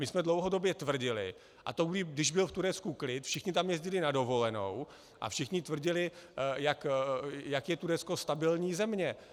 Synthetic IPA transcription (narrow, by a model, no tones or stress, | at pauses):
mɪsmɛdlo̞wɦodo̞bjɛt̪vr̩ɟɪlɪ̰ | ʔa̰t̪oɡdɪdɪʒbɪlft̪uɾɛt͡skuklɪt̪fʃɪxɲɪt̪̬amjɛzɟɪlɪnado̞vo̞lɛno̞̰w | ʔa̰fʃɪxɲɪt̪vr̩ɟɪlɪjakjakjɛt̪uɾɛt͡skost̪abɪlɲiːzɛmɲɛ